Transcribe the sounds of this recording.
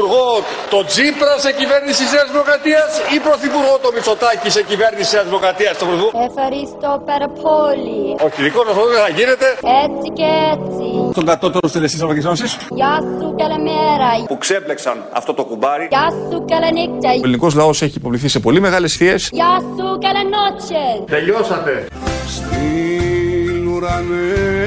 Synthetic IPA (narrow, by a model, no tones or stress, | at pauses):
uɾɣo | t̪o̞d͡zipɾɐseciveɾnisiseɐzvlokɾɐt̪iɐsipɾo̞θipuɾɣot̪omit͡so̞t̪ɐcisecive̞ɾnisiseɐzlokɾɐt̪iɐst̪opɾoθiɣoefɐɾist̪opeɾɐpʰolioçiðikosɐsot̪oðeθɐʝine̞t̪e̞et͡siceet͡sist̪oŋɡɐt̪ot̪ost̪elest̪isoɐkizonsisjasukɐlemeɾɐpuksepleksɐnɐ̰ft̪o̞t̪o̞kubɐɾiasukɐlenik̚t̪ɐliniko̞zlɐo̞seçiːpo̞vliθise̞po̞lime̞ɣɐle̞sθie̞sjasukɐlenot͡ʃet̪eʎosɐt̪e | st̪i | luɾɐne